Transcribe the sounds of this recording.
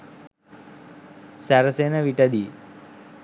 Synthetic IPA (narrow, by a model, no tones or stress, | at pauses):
sæɾəsenəʋiʈəd̪i